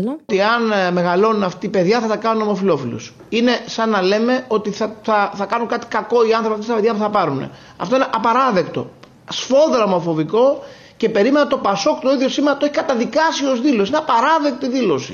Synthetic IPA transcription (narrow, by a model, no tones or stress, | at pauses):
t̪iɐnme̞ɣɐlo̞nunɐft̪ipe̞ðʝɐθɐt̪ɐkɐnuno̞mo̞filo̞filṵs | ine̞sɐnːɐle̞me̞o̞t̪iθɐθɐθɐkɐnuŋkɐt̪i̥kɐko̞iɐnθɾopiɐft̪ist̪ɐpeðʝɐpuθɐpɐɾunḛ | ɐ̰ft̪o̞ineʔɐpɐɾɐðe̞kt̪o̞̰ | sfo̞ðɾɐmo̞fo̞viko̞ | cepe̞ɾime̞nɐt̪o̞pɐsokt̪oiðʝo̞simenɐt̪oeçikɐt̪ɐðikɐsio̞zðilo̞sineɐpɐɾɐðe̞k̚t̪iðilo̞sḭ